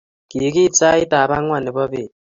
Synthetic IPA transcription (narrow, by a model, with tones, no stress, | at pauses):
ki˨˦ki˦t͡sa˦i˦ta˨βa˦ŋwa˨ni˨βɔ˦βe˨